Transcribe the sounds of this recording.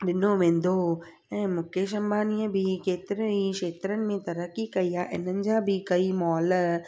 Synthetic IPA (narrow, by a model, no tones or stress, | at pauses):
ɗɪnoʋẽːn̆d̪ʱo | ɛ̃ːmʊ̃ːkeʃ̬ə̃mbaːniə̃bʱɪkeːt̪ɪɾeiʃeːt̪ɾənɪ̆mẽt̪ɐɾəkikɐiːaːʔɪ̰nənɪ̆d͡ʑãːbʱɪkɐimɔːl